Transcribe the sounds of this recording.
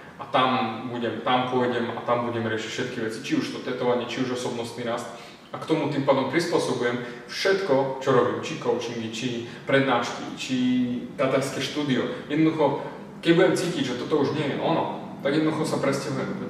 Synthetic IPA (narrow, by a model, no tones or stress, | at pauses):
ʔat̪ambuɟɛmt̪ampʊɔjɟɛmat̪ambuɟɛmɾɪɛʃicfʃɛt̪kiʋɛt͡si̥t͡ʃiuʃt̪ɔt̪ɛt̪ɔʋaɲɪɛt͡ʃiuʒɔsɔbnɔst̪niɾast̪ | akt̪ɔmut̪impaːd̪ɔmpɾispʊɔsɔbujɛm | fʃɛt̪kɔt͡ʃɔɾɔbiːmt͡ʃikɔʊt͡ʃiŋɡit͡ʃipɾɛd̪naːʃkḭt͡ʃid̪at̪aʎskɛʃt̪uːd̪iɔjɛd̪nd̪uxɔ | kɛɟbuɟɛmt͡siːciɟʒɛt̪ɔt̪ɔuʒɲɪɛjɛʔɔnɔ | t̪aɡjɛd̪nɔd̪uxɔsapɾɛscaɦujɛm